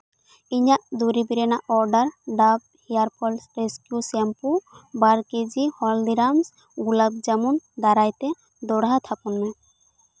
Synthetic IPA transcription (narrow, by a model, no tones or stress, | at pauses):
iɲaʔd̪uɾibiɾenaʔɔɾɖaɾɖab̚ | hijaɾpʰɔlsɾeskiusɛmpubaɾked͡ʒihɔld̪iɾams | ɡulab̚d͡ʒamund̪aɾajt̪e | d̪ɔɽɦat̪ʰapɔnːa